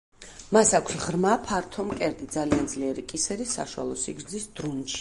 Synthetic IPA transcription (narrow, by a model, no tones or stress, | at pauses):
masakʷʰsʁɾmapʰaɾt̪ʰɔmkʼɛɾd̪id̪zaliand̪zliɛɾikʼisɛɾisa̰ʃwa̰lˠɔsiɡɾd̪zisd̪̥ɾunt͡ʃʰi̥